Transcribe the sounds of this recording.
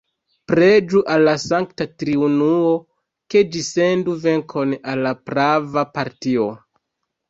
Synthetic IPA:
pɾe̞d͡ʒuʔalːasaŋktatɾiunuo̞ | ke̞d͡ʒise̞nduve̞ŋkʰo̞nalːapɾavapaɾtio̞

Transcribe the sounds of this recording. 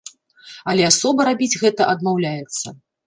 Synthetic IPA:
ɐlʲɛasɔbɐɾabʲid͡zʲɣɛt̪ɐʔɐd̪mawlʲajɛt̪sːɐ

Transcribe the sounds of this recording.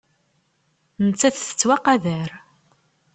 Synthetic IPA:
nət͡sːæθθə̥t͡sːwæqæðəɾ

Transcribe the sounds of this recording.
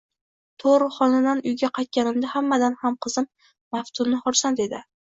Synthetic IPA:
t̪ʰoɾɨχɒnad̪anʊjɡʲaqʰajt̪̚kʲanɪmd̪ahamːad̪anhamqʰɨzɪmː | aft̪ʰʊmnɪhɒɾsand̪e̞d̪ɪ

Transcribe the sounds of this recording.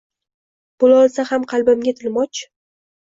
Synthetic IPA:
b̥ʊlɒlˠsahamqʰɑlˠbɪmɡʲat̪ʰɪlmɒt͡ʃʰ

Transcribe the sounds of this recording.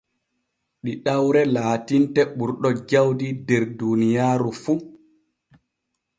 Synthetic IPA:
ɗiɗawɾɛlaːtintɛɓuɾɗɔd͡ʒawdidɛɾdunijaːɾufu

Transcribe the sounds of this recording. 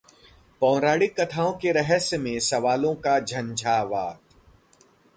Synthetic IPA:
pɔ̃ːɾaːɽikɐt̪ʰaːõkeɾɛɦəsmẽsɐʋaːlõkad͡ʒʱɐ̃nd͡ʒʱaːʋaːt̪

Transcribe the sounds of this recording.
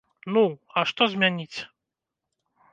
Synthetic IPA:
nuɐʂt̪ɔzʲmʲanʲit͡sʲ

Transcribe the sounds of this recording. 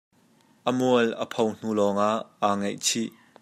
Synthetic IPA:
ʔəmuələpʰown̥ulɔːŋaʔaŋejt͡sʰi

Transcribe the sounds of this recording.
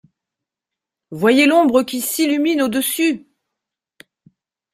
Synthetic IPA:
vwajelɔ̃bʁəkʲisilyminod̪əsy

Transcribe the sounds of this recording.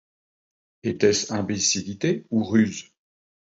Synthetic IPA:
et̪ɛsɛ̃besilit̪euʁyz

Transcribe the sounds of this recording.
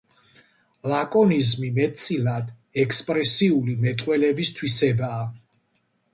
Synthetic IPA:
lakʼɔnizmimɛt̪sʼilad̪ | ɛkspʼɾɛsiulimɛt̪ʼqʼwɛlɛbist̪ʰwisɛbaː

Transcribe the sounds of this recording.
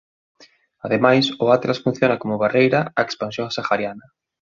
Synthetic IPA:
aðemajsʊat̪lasfũn̟θjonakomʊβarejɾaaekspansjõŋsaxaɾjanɐ

